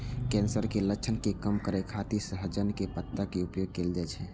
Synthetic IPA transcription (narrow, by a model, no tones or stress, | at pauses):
kɛ̃ːnsəɾkeləkːt͡ʃʰənkekəmkəɾekʰat̪isəɦəd͡ʒənkepət̪ːakeʊpjoːɡ̚keːld͡ʒaːt͡ʃʰɛ